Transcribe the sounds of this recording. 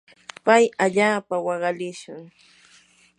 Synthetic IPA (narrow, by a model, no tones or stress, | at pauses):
pajaʎaːpawɑɢɑlɪʃʊŋ